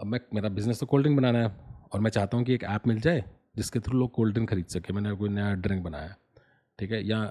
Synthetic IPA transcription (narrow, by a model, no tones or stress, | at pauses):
ɐbmɛ̃meːɾabɪznəst̪okoːlɖɪ̃ŋɡbɐnaːnaɦɛɔːɾmɛ̃t͡ʃaːɦt̪aɦũk̬ieːkɛːpmɪld͡ʒaːe | d͡ʒɪsket̪ʰoɾiloːɡ̚koːlɖɪ̃ŋɡxɐɾiːd̪sɐkemɛ̃ːnekoːinɐjaɖɾɪ̃ŋk̚bɐna̰ːjaɛː | ʈʰiːkɦɛjɐɦã